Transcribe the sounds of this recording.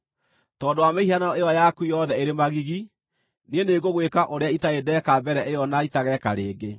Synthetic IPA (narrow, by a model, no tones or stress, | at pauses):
tɔːndowameihanɔeɔjakuijɔðɛeɾemaɣiɣi | neneɣoɣwekaʔoɾeaitaedɛkabɛɾɛʔejɔnaitaɣɛka̰ɾeːɡe